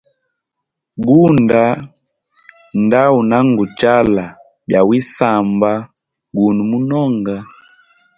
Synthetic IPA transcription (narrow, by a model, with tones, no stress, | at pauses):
ɡu˦nda˨˦ | nda˦wu˨na˦ŋɡu˨t͡ʃa˦la˨ | bja˨wi˦sa˨mba˦ | ɡu˨nu˨mu˦nɔ˦ŋɡa˨